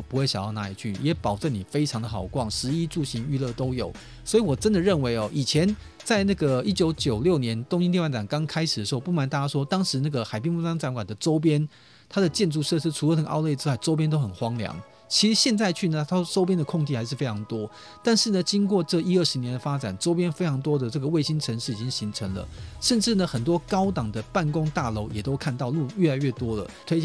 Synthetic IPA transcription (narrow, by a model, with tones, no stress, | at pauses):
pu˧˥xwe˥˩ɪɕjjɑ˥˩na˧˥li˨˩t͡ɕʰy˥˩jɛ˨˥pɑ˨˩ʊʈ͡ʂə˥˩ni˨˩fe˥ɪʈ͡ʂʰɑ˧˥ŋd̪ə˨xɑ˨˩ʊkwɑ˥˩ŋʂɻ̩˧˥i˦˥ʈ͡ʂu˥˩ɕi˧˥ŋy˥˧lɤ˥˧t̪o˥ʊjo˨˩˦ʊ | swɔ˧˥i˨wɔ˨˩ʈ͡ʂə˦nd̪ə˨ɻə˥˩nwe˧˥ɪɔ˨ʔi˨˩t͡ɕʰjɛ˧˦n | t͡sa˥˧ɪna˥˩ɡə˩i˦˥t͡ɕjo˧˥ʊt͡ɕjo˨˩ʊljo˥˩ʊnjɛ˧˦nt̪ʊ˥ŋɕi˥nt̪jɛ˥˧wa˥˩t͡sa˨˩nkɑ˥ŋkʰa˥ɪʂ̩˨˩d̪ə˩ʂ̩˧˥o˥˧pu˥˩ma˨˦nt̪a˥˩t͡ɕa˥ʂwɔ˥t̪ɑ˥ŋʂɻ̩˧˥na˥˩ɡə˩xa˨˩ɪpjɛ˥nmu˥˩ɑ˥ŋt͡sa˧˥nkwa˨˩nd̪ə˦ʈ͡ʂo˥ʊp̬jɛ˥n | t̪ʰa˥d̪ə˨t͡ɕjɛ˥˧nʈ͡ʂu˥˧ʂɤ˥˧ʂɻ̩˥ʈ͡ʂʰu˨˩ə˦˥xə˨˩nʔɑ̰˥˧ʊle˥˩ɪʈ͡ʂɻ̩˥wa˥˩ɪʈ͡ʂo˥ʊp̬jɛ˥nt̪o˥ʊxə˨˩nxwɑ˥ŋljɑ̰˧˦ŋ | t͡ɕʰi˧˥ʂ̩˧˥ɕjɛ˥˧nt͡sa˥˧ɪt͡ɕʰy˥˩nə˩a˥ʈ͡ʂo˥ʊp̬jɛ˥nd̪ə˨kʰʊ˥˧ŋt͡ɕi˥˩xa˧˥ɪʂɻ̩˥˩fe˥ɪʈ͡ʂʰɑ˧˥ŋt̪wɔ˥ | t̪a˥˧nʂɻ̩˥˩nə˩t͡ɕi˥nkwɔ˥˧ʈ͡ʂɤ˥˧i˥ə˥˩ʂɻ̩˧njɛ˧˥nd̪ə˨fa˥ʈ͡ʂa̰˨˩nʈ͡ʂo˥ʊp̬jɛ˥nfe˥ɪʈ͡ʂʰɑ˧˥ŋt̪̬wɔ˥d̪ə˨ʈ͡ʂɤ˥˩ɡə˩we˥˩ɪɕi˥nʈ͡ʂʰə˧˦nʂɻ̩˥˩˨i˨˩t͡ɕi˦˥ŋɕi˧˥ŋʈ͡ʂʰə˧˥ŋlə̰˨ʂə˥˨nʈ͡ʂɻ̩˥˩nə˩xə˨˩nt̪wɔ˥kɑ˥ʊt̪ɑ˨˩ŋd̪ə˦pa˥˩nkʊ˥ŋt̪a˥˨lo˧˥ʊjɛ˨˩t̪o˥ʊkʰa˥˧nt̪ɑ˥˧ʊlu˥˧ɥɛ˥˩la˧˥ɪɥɛ˥˩t̪wɔ˥lə̰˨t̪ʰwe˥